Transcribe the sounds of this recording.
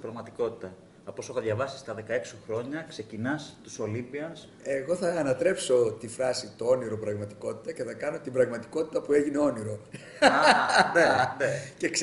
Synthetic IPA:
pɾɐɣmɐt̪iko̞t̪i̥t̪ɐː | po̞soxɐðʝɐvɐsi̥st̪ɐðe̞kɐe̞ksuxɾo̞ɲɐkse̞cinɐst̪u̥so̞limbiɐs | eɣo̞θɐːnɐt̪ɾe̞pso̞t̪ifɾɐsit̪o̞o̞niɾo̞pɾɐɣmɐt̪i̥ko̞t̪i̥t̪ɐce̞θɐkɐno̞t̪ibɾɐɣmɐt̪i̥ko̞t̪i̥t̪ɐpue̞ʝine̞o̞niɾo̞ | nencek

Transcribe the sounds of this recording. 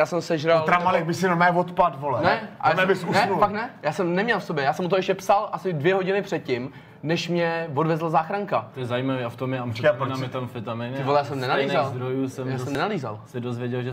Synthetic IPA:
jaːsɛmsɛʒɾalt̪ɾamalɛɡbɪsɪmɛlmɛvot̪padvolɛnɛʔaamɛbɪssunɛufaknɛjaːsɛmnɛmɲɛlfsobjɛjaːsɛmot̪ojɛʃcɛpsalʔasɪdvjɛɦo̞ɟɪnɪpr̝̥ɛt̪̚cɪm | nɛʃmɲɛvo̞dvɛzlazaːxɾaŋkat̪ojɛzajiːmaviaft̪omjɛamamɛt̪amfɛt̪amɛnɪvolɛjasɛmnɛnaliːzazld̪ɾojusɛmjaːssɛmnɛnaliːza̰lsɛdozvjɛɟɛlʒɛ

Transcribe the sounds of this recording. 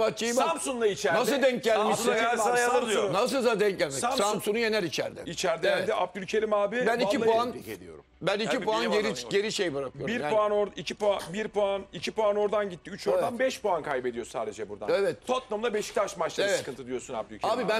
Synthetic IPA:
bat̪t͡ʃejimampsunlˠait͡ʃʰæɾnasɯld̪ɛɲc̚ɟælʲmiʃʃanajalˠanas̬ɯd̪ad̪ɛɲcælʲmɛssampsunuje̞nælʲit͡ʃʰæ̰ɾd̪ɛ̰it͡ʃʰæɾd̪ɛd̪ɛʔa̰p̚d̪ylʲcʰelʲimaːbɪbænicʰipand̪io̰ | bænicipʰoaneɾiɟeɾiʃejbɯɾakʰɯjoɾbiɾpoanoɾicʰipoabiɾpoanicʰipoano̞ɾd̪anɟit̪ʰːiyt͡ʃʰoeɾd̪anbɛʃpoankʰajbe̞d̪ijo̞saːd̪e̞d͡ʒɛbuɾd̪aevɛt̪t̪ʰop̪̚nomd̪abeʃi̥c̚t̪ʰaʃmat͡ʃlˠaeɾvɛskɯnt̪ʰɯd̪ijo̞ɾsuna̰p̚d̪ylʲʰaːbibæ

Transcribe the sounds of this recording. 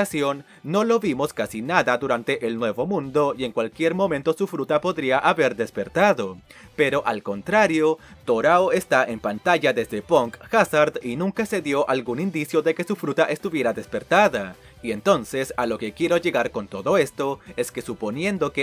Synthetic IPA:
asjo̞nː | o̞lo̞βimo̞skasinaðaðuɾant̪e̞ʔelnwe̞βo̞mũnd̪o̞ie̞ŋkwalkje̞ɾmo̞mẽnt̪o̞sufɾut̪apo̞ðɾiaʔaβe̞ɾðe̞spe̞ɾt̪aðo̞pe̞ɾo̞ʔalko̞nt̪ɾaɾjo̞t̪o̞ɾaoe̞st̪aʔe̞mpant̪aʝaðe̞zðe̞poŋkxasaɾd̪inũŋkase̞ðjo̞ʔalɡunind̪isjo̞ðe̞ke̞sufɾut̪aʔest̪uβje̞ɾaðe̞spe̞ɾt̪aða | ie̞nt̪o̞nse̞salo̞ke̞kje̞ɾo̞ʝe̞ɣaɾko̞nt̪o̞ðo̞e̞st̪o̞e̞ske̞supo̞nje̞nd̪o̞ke

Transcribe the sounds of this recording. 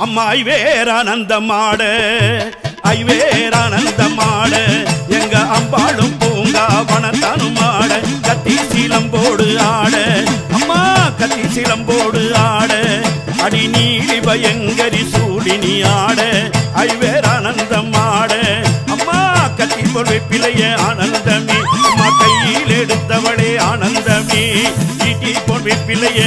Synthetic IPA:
ɐmːaːɐjʋeːɾaːnɐnd̪ɐmaːɽɐ | ɐjʋeːɾaːnɐnd̪ɐmaːɽɐɛŋɡɐʔɐmbaːɭɯmpoːŋɡaːʋɐnɐt̪ːaːnɯmaːɽɐkɐt̪ːisilɐmpoːɽɯaːɽɐɐmːaːkɐt̪ːisɪlɐmpoːɽɯaːɽɐ | ɐɽiniːlibɐjɐŋɡɐɾisulɪnijaːɽɐɐɻʋeːɾaːnɐnd̪ɐmaːɽɐɐmːaːkɐt̪ːipːɔɾʋipːɪlɐjeaːnɐnd̪ɐmiɐmːaːkɐjːɪlɛɽɯt̪ːɐʋɐɭeːaːnɐnd̪ɐmit̪iːʈːipːɔɾʋipːɪlɐjɐ

